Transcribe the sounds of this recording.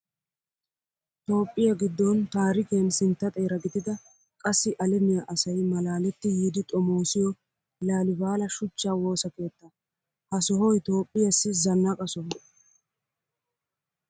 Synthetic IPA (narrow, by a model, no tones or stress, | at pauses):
t̪o̞ːpʼːɪjɐɡɪd̪ːɔnt̪aːɾɪkensɪnt̪ːɐt̪ʼɛːɾɐɡɪd̪ɪd̪ɐ | kʼɐsːɪʔɐlɛmɪjɐʔɐsɐjmɐlaːlɛt̪ːɪjiːd̪ɪt̪ʼɔmoːsɪjɔ | laːlɪbaːlɐʃʊt͡ʃːaːwo̞ːsɐke̞ːt̪ːɐ | hɐsɔɦɔjt̪o̞ːpʼːɪjɐsːɪzɐnːakʼɐsɔhɔ